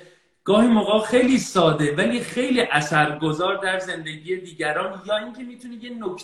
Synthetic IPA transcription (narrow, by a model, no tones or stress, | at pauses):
ɡ̥ɒːhiːmoɣɒːxe̞jliːsɒːd̪e̞væliːxe̞jliːʔæsæɾɡo̞zɒːɾd̪æɾze̞nd̪e̞ɟiːje̞d̪iːɟæɾɒːnjɒːiːŋcʰe̞miːt̪ʰunijenokʰ